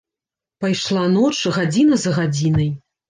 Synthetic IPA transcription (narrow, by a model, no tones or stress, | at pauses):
pajʂlˠanɔt͡ʂɣad͡zʲinɐzɐɣad͡zʲinɐj